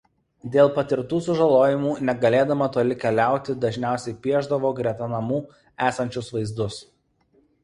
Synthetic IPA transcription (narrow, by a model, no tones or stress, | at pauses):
d̪ʲeːlˠpɐt̪ʲɪɾt̪uːs̬ʊʒɐlˠoːjɪmuːnʲɛɡɐlʲeːd̪ɐmɐt̪oːlʲɪkʲɛlʲæˑʊt̪ʲɪd̪ɐʒʲnʲæˑʊsʲɛɪpʲiɛʒd̪ɐʋoːɡɾʲiɛt̪ɐnɐmuː | æːsɐnʲt͡ʃʲʊsʋɐɪzd̪ʊs